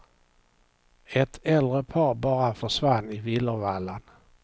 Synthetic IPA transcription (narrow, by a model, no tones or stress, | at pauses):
ɛt̪ɛld̪ɾəpʰɑːɾbɑːɾafœʂvanːɪvɪlːəvalːan